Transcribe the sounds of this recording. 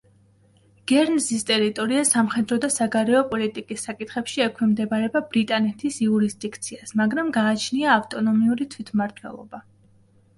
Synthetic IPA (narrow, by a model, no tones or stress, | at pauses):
ɡ̥ɛɾnzist̪ʼɛɾit̪ʼɔɾiasamχɛd̪ɾɔd̪asaɡaɾɛɔpʼɔlit̪ʼikʼisːakʼit̪ʰχɛpʃiɛkʰwimd̪ɛbaɾɛbabɾit̪ʼanɛt̪ʰisiuɾisd̪ikʰt̪sʰiasmaɡɾamɡaːt͡ʃʰniaːft̪ʼɔnɔmiuɾit̪ʰwit̪ʰmaɾt̪ʰwɛ̰lˠɔ̰ba